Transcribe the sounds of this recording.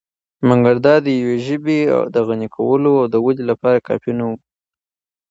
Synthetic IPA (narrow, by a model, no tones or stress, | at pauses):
maŋɡaɾd̪ɑd̪əjaweʒəbea̰wd̪əɣanikʰa̰wəloawd̪əwadilapɑɾakɑ̰fjinawu